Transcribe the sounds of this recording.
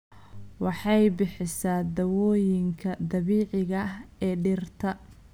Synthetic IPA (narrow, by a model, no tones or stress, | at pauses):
wɑħɑjbɪħɪsaːd̪ɐwɔːjɪŋkʰɐd̪ɐβiːʕɪɣɐɛːɖɪrt̪ʰɐ